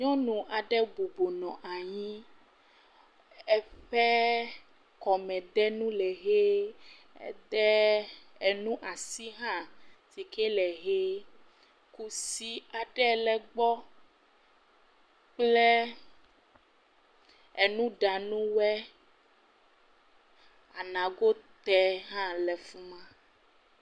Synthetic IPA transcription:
ɲɔ̃˦nũ˨ʔa˨ɖɛ˦bo˨bo˨nɔ̃˨ʔa˨ɲĩ˦ | ɛ˦ɸɛ˦ | kɔ˨mɛ̃˨d̪ɛ˦nũ˦lɛ˨ɣe˦ | ḛ˦t̪ɛ˦e˨nũ˦ʔa˨si˦ɦã˦t̪i˨ke˦lɛ˨ɣe˦ | ku˦si˦a˨ɖɛ˦˨lɛ˨ɡ͡bɔ˦ | k͡plɛ˦ | e˨nũ˦ɖa˨nũ˦wɛ˦ | a˨nã˨ɡo˦t̪ɛ˦ɦã˦lɛ˨fu˦mã˦

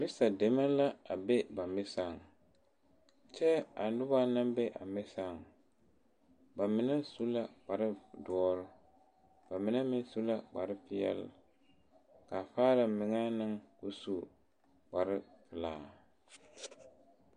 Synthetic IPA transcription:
mɪ˦sa˨de˨ma˦la˦a˨be˦ba˨mɪ˦sa˦˨ŋ | t͡ʃɛ˦a˨n˦dʊ˦ba˦na˦mbe˦ʔa̰˨mɪ˦sa˦˨ŋ | ba˨mɪ˨nɛ˦su˦la˨k͡pa˨ɾɪ˦du˦ɔ˦ɾɪ˦ | b̥a˨mɪ˨nɛ˦mɪ˦n˦su˦la˦˨k͡pa˨ɾɪ˦fɪ˦jɛ̰˦l | ka˨faː˦la˨mɪ˨ŋa˦nɨ˦ŋku˦su˦˨ | k͡pa˨ɾɪ˦fɪ˨laː˨

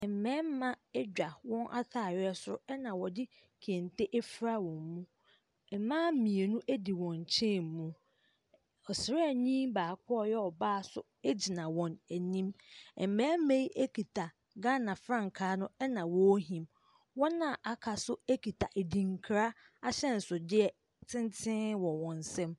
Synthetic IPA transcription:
ɛ˨m̩˨mɛ̃ː˦m˦mã˦ɛ˦d͡ʑᶣa˨wɔ̃˦nʔa̰˦tʰaː˨ɥɪ˦ɛ˦sʊ˦ʊ˦ɛ˦nã˨wɔ˨dɪ˦ | kʰe˨n˨tʰe˦ʔe˦fɾa˦wɔ̃˨mmũ˦ | ɛ˨mãː˦mĩ˨e˨nũ˦ʔæ˦di˨wɔ̃˨ɲ˨t͡ɕʰɛ̃˦˨m˨mũ˦ | ɔ˨sɪ˨ɾɛ˦˨ɲĩ˦mbaː˨kʰɔ˦ɔ˦˨jɛ˦ɔ˨baː˦˨sʊ̰˦ | e˦d͡ʑi˨nã˨wɔ̃˨næ˨nĩ˦mɛ˨m̩˨mɛ˨˦me˦i˦ʔe˦kʰi˨tʰa˨ | ɡã˦nã˨fɾã˦˨ŋ˨kʰaː˦nʊ̃˦ɛ˦nã˨wɔ˦ɦĩ˨m | wɔ̃˦nːã˨ʔa˨kʰa˨sʊ˦e˦ki˨tʰa˨ʔe˨di˨ŋ̩˦kʰɾa˦ | a˦ɕɛ˦n̩˨sʊ˨dɪ˦ɛ˨ | tʰɪ̃˦n˦tʰɪ̃˦wɔ̃˨wɔ̃˨n˨sɛ̃˦m

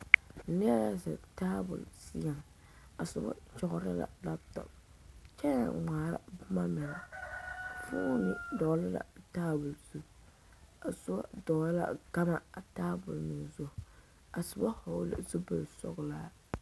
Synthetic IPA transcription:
nɛ˦la˦zɨ̰˨taː˦bʊ̰˨lsi˦ja˨ŋ | a˨sʊ˨ba̰˦t͡ʃɔ˨ɣʊ˨ɾa˦la̰˨la˦tɔ̰˨ | t͡ʃɛ˦na̰˨ŋ͡maː˨ɾa̰˨bʊ˦ma˦mɛ˨na˨ | fuː˦nɪ˨dɔ˨˦lɪ˦la̰˨taː˦bʊ˨lz̥u˦ | a˨sʊ˦ba̰˦dɔ˨˦lɪ˦la̰˦ɡa˦ma˦a˨taː˦bʊ˨lnɪ˨zʊ˦˨ | a˨sʊ˨ba˦ho˨˦lɨ̰˦zu˦bo˨lsɔ̰˦ɣʊ˦laː˦

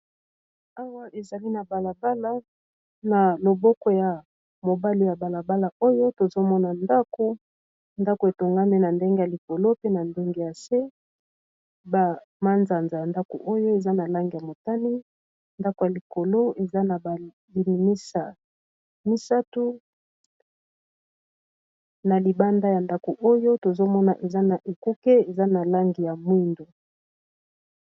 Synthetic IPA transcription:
a˦wa˦ʔe˨za˨li˦na˨ba˨la˨ba˦la˦ | na˨lo˨bɔ˦kɔ˦ja˨ | mo˨ba˦li˨ja˨ba˨la˨ba˦la˨o˦jo˦to˨zo˦mɔ˦na˨nda˦ko˦ | nda˦ko˨e˨to˨ŋɡa˦mi˦na˨nde˦ŋɡe˦ja˨li˨ko˨lo˦pe˦na˨nde˦ŋɡe˦ja˨se˦ | ba˨ | ma˦nza˨nza˨a˨nda˦ko̰˨ʔo˦jo˦e˨za˦na˨la˦ŋɡe˨ja˨mo˨ta˦ni˦ | nda˦ko˨ja˨li˨ko˨lo˦e˨za˦na˨ba˨ | li˨mi˨mi˦sa˨ | mi˦sa˦tu˦ | na˨li˨ba˦nda˦ja˨nda˦ko˨ʔo˦jo˦to˨zo˦mɔ˦na̰˨ʔe˨za˦na˨ʔe˨ku˦ke˦e˨za˦na˨la˦ŋɡi˨ja˨mwi˦ndo˨

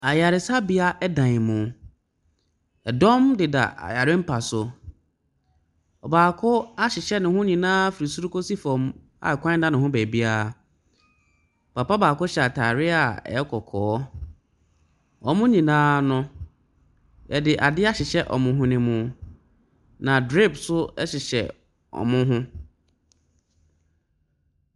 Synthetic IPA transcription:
a˨ja˨ɾɪ˨sa˦bi˨a˦ʔɛ˦dã˨ɲ˨mʊ̃˨ | ɛ˨dɔ̃˦mdɪ˨da̰˨ʔa̰˨ja˨ɾɪ˦m̩˦pʰa˨sʊ˨ | ɔ˨baː˨kʰʊ˦a˦ɕɪ˨ɕɛ˦nɪ̃˨hʊ̃˦ɲĩ˨nãː˦fi˨ɾi˨su˦ɾu˦ko˦si˦fɔ̃˨m | a̰˨kʷʰã˦dã˦nɪ̃˨hʊ̃˦bæ˨bi˦a˦˨ | ɔ˨pʰa˨pa˦baː˨kʊ˦ɕɛ˨a˨tʰaː˨ɾɪ˦a˨ɛ̰˨ɛ˦kʰɔ˨kʰɔː˨˦ | ɔ˨mʊ̃˦ɲĩ˨nãː˦nʊ̃˦ | ɛ˨dɪ˨ʔa˨dɪ˦a˦ɕɪ˨ɕɛ˦ʔɔ̰˨mʊ̃˨ɦʊ̃˦nɪ̃˦mʊ̃˨ | nã˨dɾe˦˨psʊ˦ɛ˦ɕɪ˨ɕɛ̰˨ | ɔ̰˨mʊ̃˦ɦʊ̃˦

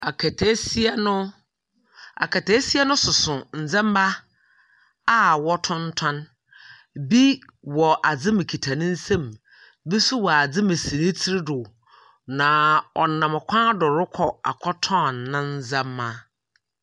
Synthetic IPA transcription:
a˨kʰɛ˨tʰe˨˦si˦ɛ˦nʊ̃˦ | a̰˨kʰɛ˨tʰe˨˦si˦ɛ˦nʊ̃˦sʊ˨sʊ̃˨n̩˨d͡zã˦m˦ba˦ | a˦wɔ˦tʰʊ̃˦n̩˦tʰã˦n | bi˦wɔ˨ʔa˨d͡zɪ˦mɪ̃˨kʰi˨tʰa˨nɪ̃˦n̩˦sɛ̃˦˨m | bi˦sʊ˦wɔ˨a˨d͡zɪ˦mɪ̃˨si˨ɾɪ̃˦t͡sʰi˦ɾɪ˦dʊ˨ | nã˨ɔ˨nã˨m˨kʰʷã˦dʊ˨ɾʊ˦kʰɔ˨a̰˨kʰɔ˦tʰɔ̃˦˨nːã˦n̩˦d͡zã˦mːã˦

